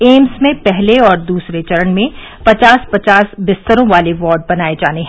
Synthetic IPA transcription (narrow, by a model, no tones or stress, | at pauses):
eːmsmẽpɛɦleɔːɾd̪uːsɾet͡ʃɐɾəɳmẽ | pɐt͡ʃaːspɐt͡ʃaːsbɪst̪əɾõʋaːleʋɔːɾɖ̚bɐnaːed͡ʒaːneɦɛ